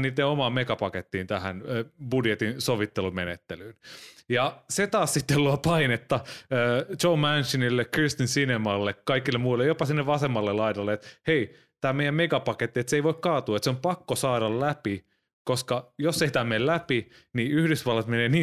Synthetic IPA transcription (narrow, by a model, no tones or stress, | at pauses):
niːt̪ːeomɑːmmekɑpɑket̪ːiːnt̪æhænb̥udjet̪insoʋit̪ːelumenet̪ːelyːnjɑset̪ɑːssit̪ːeluɑpɑinet̪ːɑøːt͡ʃoumænʃinilːekrist̪insinemɑlːekkɑikilːemuilːejopɑsinːeʋʋɑsemːɑlːellɑidɑlːeet̪hei | t̪æːmeijæmmeɡɑpɑket̪ːiet̪seiʋoikkɑːt̪uːɑet̪seompɑkːosɑːɾɑllæpi | koskɑjosːeit̪æːmellæpi | niyhdysʋɑlːɑt̪meneːniː